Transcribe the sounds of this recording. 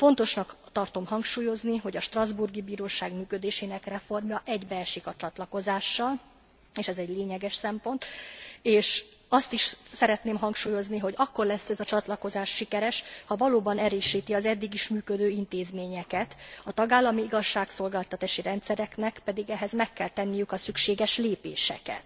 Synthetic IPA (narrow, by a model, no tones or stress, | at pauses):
fo̞n̪t̪o̞ʃnɒkt̪ɒrt̪o̞mhɒŋkʃuːjo̞zniɦo̞ɟɒʃt̪rɒzburɡibiːɾoːʃaːɡmyːkø̞d̪eːʃeːnɛkrɛfo̞rmjɒʔɛɟbɛɛʃikɒt͡ʃɒt̪lɒko̞zaːʃːɒl | eːʃɛzɛɟleːɲɛɡɛʃsɛmpo̞nt̪eːʃɒst̪iʃsɛɾɛt̪neːmɦɒŋkʃuːjo̞zniɦo̞ɟɒkːo̞rlɛsːɛzɒt͡ʃɒt̪lɒko̞zaːʃːikɛɾɛʃhɒvɒloːbɒnɛɾøːʃiːt̪iɒzɛd̪ːiɡiʃmyːkød̪øːint̪eːzmeːɲɛkɛt̪ɒt̪ɒɡaːlːɒmiiɡɒʃːaːkso̞lɡaːlt̪ɒt̪aːʃiɾɛnt̪sɛɾɛknɛkpɛd̪iɡɛɦɛzmɛkːɛlt̪ɛnːijykɒsykʃeːɡɛʃleːpḛːʃɛ̰kɛ̰t̪